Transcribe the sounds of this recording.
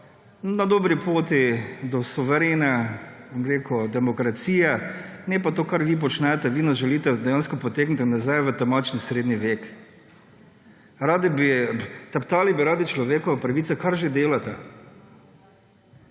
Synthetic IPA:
nad̪oːbɾipoːt̪id̪ɔsuʋɛɾenɛbomɾeːkud̪ɛmɔkɾat̪siːjɛnɛpat̪oːkaɾʋip̬ɔt͡ʃnɛt̪ɛʋinasʒɛliːt̪ɛd̪ɛjaːnskɔpɔt̪eːknit̪nazajʋət̪amaːt͡ʃnisɾeːd̪niʋeːk | ɾaːd̪ibit̪ɛpt̪aːlibiɾaːd̪it͡ʃlɔʋeːkɔʋapɾaʋiːt̪sɛkaɾʒed̪eːlat̪ɛ

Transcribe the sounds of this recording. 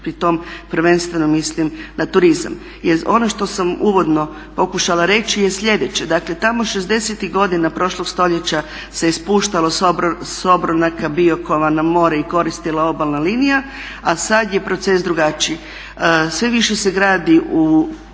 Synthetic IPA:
pɾit̪o̞ːmpɾ̩ʋe̞nst̪ʋe̞nomːislimnat̪uɾiza̰m | jeɾo̞no̞ʃt̪o̞samuːʋo̞d̪no̞ | po̞kuʃalˠaɾe̞t͡ɕije̞sʎʲe̞d̪et͡ɕed̪akle̞t̪amo̞ʃezd̪e̞set̪iɣɡo̞d̪inapɾo̞ʃlˠo̞ɡ̥st̪o̞ʎe̞t͡ɕa | seispuːʃt̪alo̞sso̞bɾonakabio̞ko̞ʋanamo̞ːɾeiko̞ɾist̪ilao̞balˠnalinija | asad̪je̞pɾo̞t̪ses̬d̪ɾuɡat͡ʃi | sʋe̞ʋiʃe̞se̞ɡɾaːd̪iʔu

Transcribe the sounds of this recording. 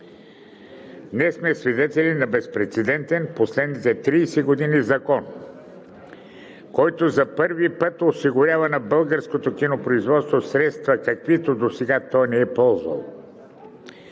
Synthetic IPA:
nɛsmɛsvid̪ɛt̪ɛlʲinɐbɛspɾɛt̪sɛd̪ɛnt̪ɛnposlɛd̪nit̪ɛt̪ɾiːsɛɡod̪inizɐkɔn | kɔjt̪ozɐpɤɾvipət̪osiɡʊɾʲavɐnɐbɤlˠɡəɾskot̪okʲinopɾoizvɔt̪st̪vosɾɛt̪st̪vɐkɐkvit̪od̪osɛɡat̪ɔjnɛɛpɔlˠzvɐ̰lˠ

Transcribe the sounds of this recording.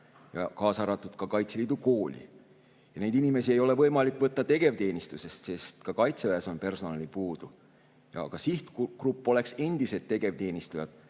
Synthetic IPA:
jɑ̰kɑːsɑɾɑt̪ːˑud̪̥kɑkɑjt̪seliːd̪uko̞ːlʲḭ | jɑne̞jd̪inime̞sie̞jo̞le̞vɤ̞jmɑlikːˑvɤt̪ːɑt̪e̞ɡ̥e̞vt̪e̞ːnʲist̪use̞st̪se̞st̪kɑkɑjt̪sevæeso̞npe̞rso̞nɑlipuːd̪̥u | jɑ̰ːɡ̥ɑsiht̪krupˑːo̞le̞kse̞nd̪̥ise̞d̪̥̚t̪ːe̞ɡ̥e̞vt̪e̞ːnʲist̪ujɑd̪̥

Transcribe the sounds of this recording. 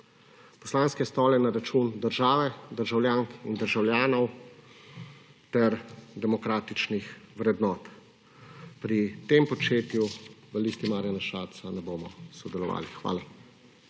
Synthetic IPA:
pɔslaːnskɛst̪ɔːlɛnaɾat͡ʃuːnd̪əɾʒaːʋɛd̪əɾʒawljaːŋkind̪əɾʒawljaːnɔw | t̪ɛɾd̪ɛmɔkɾaːt̪it͡ʃnixʋɾɛd̪nɔːt̪ | pɾit̪empɔt͡ʃeːt̪juʋəlist̪imaːɾjanaʃaːɾt̪sanɛboːmɔsɔd̪ɛlɔʋa̰ːlixʋa̰ːla

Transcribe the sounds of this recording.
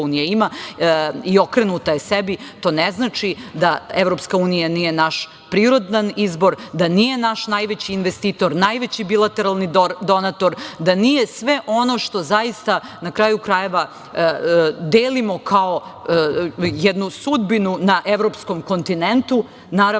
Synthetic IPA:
unijaima | io̞kɾenut̪ajesebit̪o̞ːneznat͡ʃid̪aeʋɾo̞pskauːnijanije̞naʃ | pɾiːɾo̞d̪nanizbo̞ɾd̪anije̞naʃnajʋet͡ɕiːnʋest̪iːt̪o̞ɾnajʋet͡ɕibilˠat̪e̞ɾalˠnid̪o̞nat̪o̞ɾd̪anije̞sʋeʔo̞noʃt̪o̞zaist̪anakɾaːjukɾaje̞ʋa | d̪eːlimo̞kʰao | jɛd̪nusud̪binunaʔeʋɾo̞pskomko̞nt̪inent̪u | naːɾa

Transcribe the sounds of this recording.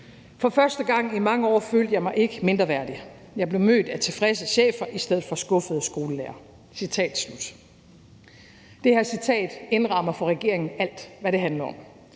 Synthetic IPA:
fɒ̽fɶɐsd̥əɡ̥ɑ̈ŋ̰imɑ̈ŋəɒ̰ːføːld̥əjɑɪmɑ̈ɪʔe̝ɡ̥əme̝nd̥ʁɐʋæɐ̰d̥i | jɑ̈ɪb̥le̝ʊmø̰ːd̥æt͡sʰe̝fʁɛsəɕḛːfɐʔisd̥eð̞̰̩ˠfɒ̽sɡ̥ɔ̽fəð̩ˠsɡ̥o̝ːləleːɐ | sit͡sʰɛ̰ːd̥slud̥ | d̥ehæɐsit͡sʰɛ̰ːd̥e̝nʁɑ̈mɐfɒ̽ʁɛɡ̥e̝ɐ̰e̝ŋn̩æl̰d̥ʋæɾe̝ɦænlɐɒ̽m

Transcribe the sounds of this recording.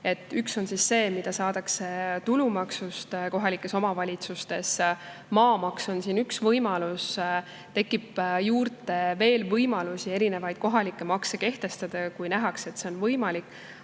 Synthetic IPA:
e̞t̪ːˑykso̞nsisːe̞ːmid̪̥ɑsɑːd̪̥ɑkse̞t̪ulumɑksust̪ko̞ɦɑlikːˑe̞so̞mɑvɑlʲit̪sust̪e̞smɑːmɑkso̞nsiːnyksvɤjmɑlus | t̪e̞kːˑipjuːrt̪e̞ve̞ːlvɤjmɑlusie̞ɾine̞vɑjd̪̥̚ko̞ɦɑlikːˑe̞mɑkseke̞ht̪e̞st̪ɑd̪̥ɑkujnæɦɑkse̞t̪ːseo̞nvɤjmɑlikːˑ

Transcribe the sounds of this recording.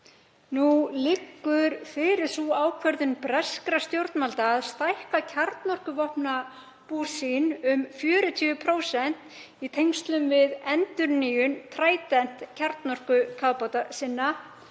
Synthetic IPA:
nulɪkːʏɾfɪɾɪɾ̥suaːwkʰvɛɾðʏnpɾɛskɾast̪jowɾt̪nmalt̪aːðst̪ajhkacʰaɾt̪nɔr̥kʏvɔhmna | puːsinʏmfjœːɾʏt̪ʰiːvʏpʰɾoːwsɛn̥t̪ | it̪ʰejŋst̪lʏmvɪðɛnt̪ʏɾniːjʏnt̪ʰɾaːjt̪ɛn̥t̪cʰaɾt̪nɔr̥kʏkʰaðpawt̪asɪnːa

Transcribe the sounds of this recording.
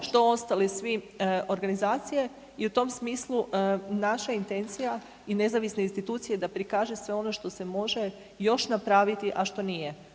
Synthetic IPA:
ʃt̪o̞o̞st̪alisʋi | o̞ɾɡanizaːt̪sije̞ | iut̪o̞msmiːslˠunaʃaint̪e̞nt̪sija | ine̞zaʋisneinst̪it̪uːt̪sijed̪apɾikaːʒesʋe̞o̞no̞ʃt̪o̞se̞mo̞ʒe̞ | jo̞ʃnapɾaːʋit̪iʔaʃt̪o̞nije

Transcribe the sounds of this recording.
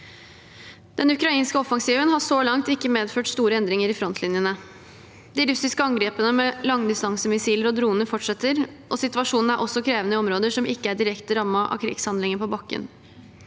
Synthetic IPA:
d̪̥ɛnʉkɾɑiːnskəɔfɑŋsiːʋənhɑʂoːlɑŋt̪ɪkːəmeːd̪føːʈst̪uːɾəɛnd̪ɾɪŋəɾɪfɾɔnslɪnjənə | d̪ɪɾʉsɪskəɑŋɡɾeːpənəmɛlɑŋːd̪ɪst̪ɑŋsəmɪsiːləɾɔd̪ɾuːənəfɔʈʂɛt̪ːəɾ | ʔɔsɪt̪ʉɑʂuːnn̩æɾʔɔsːɔkʰɾeːʋənəɪɔmɾoːd̪əʂɔmɪkːəæɖɪɾɛkt̪əɾɑmːəʔɑ̰kʰɾɪ̰ːɡshɑnd̪lɪŋənpʰɔbɑkːə̰n

